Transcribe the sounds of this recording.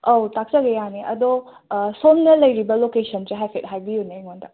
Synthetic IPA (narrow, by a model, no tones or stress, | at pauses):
owtak̚sɐɡejaniʔɐd̪o | sonnɐlɐjɾibɐlokesɐnseɦajpʰet̚ɦajbijuneŋondɐ̰